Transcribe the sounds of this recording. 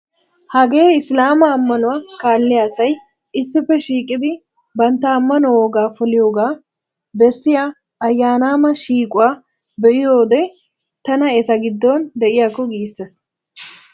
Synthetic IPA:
hɐɡe̞ːɪslaːmɐːmːɐnʊwaːkaːlːɪjasɐj | ɪsːɪfːɛʃiːkʼɪd̪ɪ | bɐnt̪ːɐːmːɐnɔwoːɡaːfɔlɪjo̞ːɡaː | bɛsːɪja | ɐjːaːnaːmɐʃiːkʼʊwaː | bɛʔɪjoːd̪ɛ | t̪ɐnɐɛt̪ɐɡɪd̪ːɔnd̪ɛʔɪjaːkːɔɡiːsːes

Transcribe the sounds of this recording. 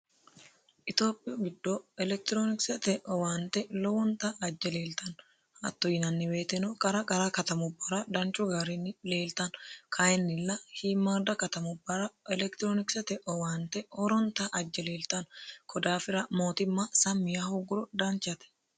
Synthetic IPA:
ʔɪt̪o̞ːpʼːɪjɔɡɪd̪ːoɛlɛk̚t̪ɪɾoːnɪksɛt̪ɛʔɔwaːnt̪ɛlɔwɔnt̪ɐːd͡ʒːɛle̞ːlt̪ɐn | ɐ̰t̪ːɔjɪnɐnːɪwe̞ːt̪ɛnɔkʼɐɾɐkʼɐɾɐkɐt̪ɐmʊbːɐɾɐd̪ɐnt͡ʃʼːʊɡɐɾɪnːɪle̞ːlt̪ɐnkʰɐjɛnːɪlːɐhiːmːaːɾd̪ɐkɐt̪ɐmʊbːɐɾɐɛlɛkt̪ɪɾoːnɪksɛt̪ɛʔɔwaːnt̪ɛɔɾɔnt̪ɐʔɐd͡ʒːɛle̞ːlt̪ɐnkʰɔd̪aːfɪɾɐmo̞ːt̪ɪmːɐsɐmːɪjɐhʊɡʊɾɔd̪ɐnt͡ʃːɐt̪ɛ̥

